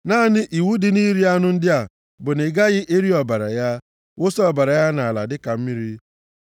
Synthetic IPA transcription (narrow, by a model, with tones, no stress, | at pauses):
naː˦nɪ˦ʔi˨wu˦dɪ˨ni˦ɾi˦a˦nʊ˦n̩˦dɪ˦a˨ | bʊ˨nɪ˨ɡa˦ɣɪ˦ʔe˦ɾi˦ɔ˨ba˨ɾa̰˨ja˦ | wo˦sɔ˨ba˨ɾa˨ja˦na˨la˨dɪ˦ka˨m̩˦mi˦ɾi˦